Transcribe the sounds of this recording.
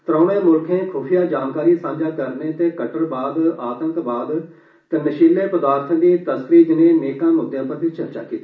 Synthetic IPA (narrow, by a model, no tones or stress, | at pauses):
t̪ɾãːneːmʊlkʰẽːkʰʊːpʰijaːd͡ʒaːnkaːɾiːsãːɲd͡ʒaːkəɾnẽːt̪ẽːkəʈəɾbaːd̪aːt̪ə̃ŋkbaːd̪ | t̪eːnəʃiːleːpəd̪aːɾt̪ʰə̃d̪iːt̪əsɾiːd͡ʒɪnẽːneːkãːmʊd̪jãːpəɾt̪ʰit͡ʃəɾt͡ʃa̰ːkiːt̪ː